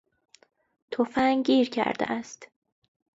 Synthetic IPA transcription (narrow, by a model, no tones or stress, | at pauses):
t̪ʰofæŋɟiːɾcʰæ̰ɾd̪ḛʔæst̪